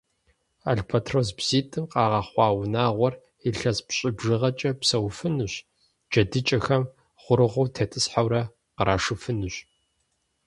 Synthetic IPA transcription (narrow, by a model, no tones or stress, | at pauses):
a̰ɮpʰɐtʰroːsbz̥iːtʼɨmqɑːʁɐχʷɑːwnaːʁʷɔr | iɬɐzpɕʼɪbʒɨʁɐt͡ʃʼɐpsɐwfɨnɨɕ | d͡ʒɐdɨt͡ʃʼɐxɐm | χʷʊɾɨʁʷʊwtʰeːtʰɨsħawɾɐ | qəɾaːʂɨfɨnɨɕ